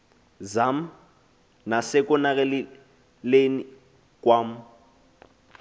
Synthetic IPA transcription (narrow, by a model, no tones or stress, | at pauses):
zam̩ | nasɪkʼʊnakɛl | leni | kʼwam̩